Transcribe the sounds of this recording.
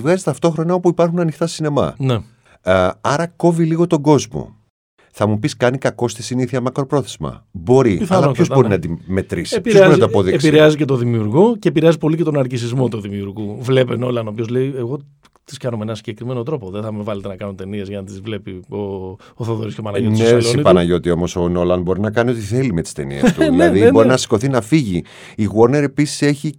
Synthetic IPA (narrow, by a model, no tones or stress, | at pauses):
vɣɐzist̪ɐft̪o̞xɾo̞nɐo̞puipɐɾxunɐnixt̪ɐsine̞mɐ̰ne | ɐɾɐko̞viliɣo̞t̪o̞ɡo̞zmo̰ | θɐmupiskɐnikɐko̞st̪isiniθiɐmɐkɾo̞pɾo̞θezmɐ̰bo̞ɾiθɐɐpçozbo̞ɾinɐd̪ime̞t̪ɾisipooɾint̪oɐpoðieksiɾeɐzice̞t̪o̞ðimiuɾɣoce̞piɾeɐzipo̞licet̪o̞nɐɾcisizmo̞t̪uðimiuɾɣuvle̞penolɐnopio̞zleieɣo̞ | t̪i̥skɐnomenɐnsiɲɟe̞kɾime̞not̪ɾo̞po̞ðeθɐmevɐlet̪enɐkɐnunt̪e̞niezʝɐnɐt̪izvle̞pio | oθoðoɾiscopɐnɐʝonsesipɐnɐʝo̞t̪io̞mo̞sono̞lɐnbo̞ɾinɐkɐnio̞t̪iθe̞lime̞t̪i̥st̪e̞̰nḭḛst̪uðɐðibo̞ɾinɐsi̥ko̞θinɐfiʝi | iɣwoɾne̞ɾe̞pisi̥se̞çi